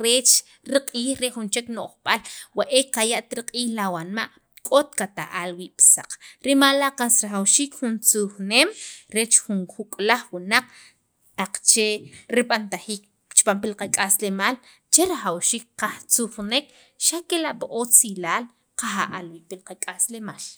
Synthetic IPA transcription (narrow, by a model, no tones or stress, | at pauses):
ɾeːt͡ʃ | ɾiqʼiːχɾeʔxunt͡ʃeknoʔχɓalwaʔekajaʔt̪ɾiqʼiːxlawanmaʔ | kʼot̪kat̪a̰ʔalwiːʔpsaq͡χɾimalaʔqasɾaχawʃiːkχunt͡suxneːmɾet͡ʃχunxukʼlaχwunaq͡χ | aq͡χt͡ʃeɾiɓant̪aχiːk̚ | t͡ʃpampilqakʼaslemaːl | t͡ʃeɾaχawʃiːk̚qaht͡suχnek | ʃakelaʔpaʔot͡silaːl | qaχa̰ʔalwiːʔpilqakʼaslemaːl